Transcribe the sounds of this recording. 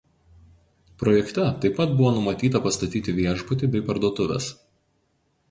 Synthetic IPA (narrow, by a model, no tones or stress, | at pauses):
pɾɔjɛkt̪ʲɛt̪ɐɪpːɐt̪̚bʊʋoːnʊmɐt̪ʲiːt̪ɐpɐst̪ɐt̪ʲiːt̪ʲɪʋʲiɛʒbʊt̪ʲɪbʲɛɪpɐɾd̪uɔt̪ʊʋʲɛ̰s